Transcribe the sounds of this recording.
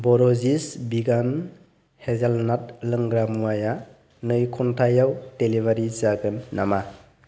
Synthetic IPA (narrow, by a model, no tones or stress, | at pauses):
bɔɾɔzisbiɡan | hezalnat̚lɯŋɡɾamuaja | nɯjkʰɔntʰajawtelibaɾit͡ʃaɡɯnːama